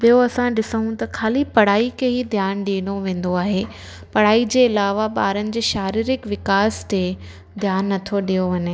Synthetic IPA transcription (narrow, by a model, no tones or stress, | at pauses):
bijoɐsãɗɪsəɦũt̪ɐkʰaːlipɐɽaːikʰeɦid̪ʱjaːnɗiːɽ̃oʋẽːn̆d̪oaːɦe | pɐɽ̤aːid͡ʑeːɪlaːʋaɓaːɾənɪ̆d͡ʑeːʃaːɾiːɾɪkʋɪkaːst̪e | d̪ʱjaːnːɐt̪ʰoɗijoʋɐɲɪ